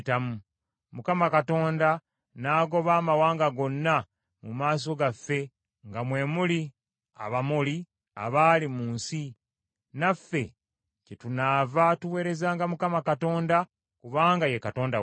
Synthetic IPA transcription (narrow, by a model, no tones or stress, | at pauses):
tamu | mukamakato̞ːnda | naːɡo̞βaːmawaːŋɡaɡo̞nːa | mumaːs̬o̞ɡafːe̞ | ŋɡamwe̞ːmuli | a̰βamuli | a̰βalimuːnsi | nafːe̞ | cetunaːvatuwe̞ːɾe̞zaːŋɡamukamakato̞ːnda | kuβaːŋɡajekato̞ːnda̰